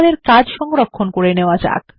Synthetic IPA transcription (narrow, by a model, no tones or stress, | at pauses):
leɾkad͡ʑʃɔŋɡɾokʰːonkoɾeneoad͡ʑa̰k